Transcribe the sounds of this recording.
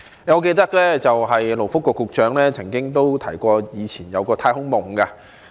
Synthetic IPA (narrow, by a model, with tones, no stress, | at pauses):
ɛ˧ŋɔː˨˧ke˧jt̪ɐ˥k̚lɛː˥t͡sɐ˨wɦɐ˨jlo˨˩wfʊ˥kːʷɔː˧kːʊ˧k̚t͡ʃœː˨˥ŋlɛː˥t͡sʰɐ˨˩ŋkɪ˥ŋt̪o˥wt̪ʰɐ˨˩jkʷɔː˧jiː˨˧t͡sʰiː˨˩njɐ˨˧wkɔː˧t̪ʰaː˧jhʊ˥ŋmʊ˨˩ŋka˧